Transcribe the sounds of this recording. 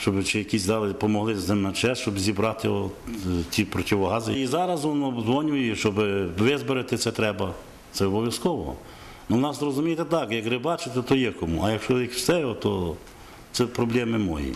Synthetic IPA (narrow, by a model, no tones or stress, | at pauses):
ʃt͡ʃɔbɪt͡ʃɪjɐkʲisʲd̪ɑlɪpɔmɔɦlˠɪzemɐt͡ʃɛʃt͡ʃɔbzʲibɾɑt̪ɪjɔtʲipɾɔtʲɪʋɔɦɑzɪizɑɾɐzɔnɔbzʋɔnʲʊjiʃt͡ʃɔbɪʋɪzbeɾɪt̪ɪt̪sɛt̪ɾɛbɐ | t̪sɛɔbɔʋʲjɐskɔʋɔ̰ | nɔʋnɑszrɔzʊmʲijt̪ɛt̪ɑkjɐkrɪbɑt͡ʃɪt̪ɛt̪ɔjɛkɔmuʔɐjɐkʃɔʋikwsɛjɦɔt̪ɔ | t̪sɛpɾɔblʲɛmɪmɔ̰jḭ